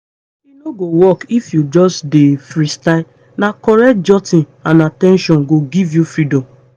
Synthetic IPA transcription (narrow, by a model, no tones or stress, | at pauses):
inoɡowɔkifjud͡ʒɔsdefɾistaɪ | nakɔɾɛd͡ʒɔtĩn | ãnatɛ̃nʃɔ̃nɡoɡivjufɹidɔ̃m